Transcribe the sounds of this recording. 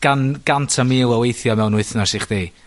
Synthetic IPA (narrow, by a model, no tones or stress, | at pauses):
ɡ̥anɡ̥antʰamiːlˠəwejθjɔmɛwnʊɨθnɔsiχdiː